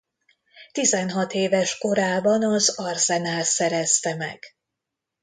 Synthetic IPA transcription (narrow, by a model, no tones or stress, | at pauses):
t̪izɛnɦɒt̪eːvɛʃko̞ɾaːbɒnɒzɒrsɛnaːlsɛɾɛst̪ɛmɛ̰ɡ̥